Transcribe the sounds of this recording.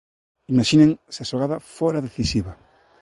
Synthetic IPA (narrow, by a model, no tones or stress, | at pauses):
imaʃinẽŋseaʃoɣaðɐfɔɾaðeθisiβɐ